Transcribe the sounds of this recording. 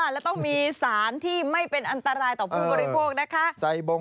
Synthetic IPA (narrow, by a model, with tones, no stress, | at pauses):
a˧˩lɛː˦˥wt̪ɔ˥˩ŋmiː˧saː˩˦nt̪ʰiː˥˩ma˥˩jpe˧nʔa˧nt̪a˧ɾaː˧jt̪ɔː˨˩pʔʰuː˥˩bɔː˧ɾi˦˥pʰoː˥˩k̚na˦˥kʰa˦˥ʔsa˧jbo˧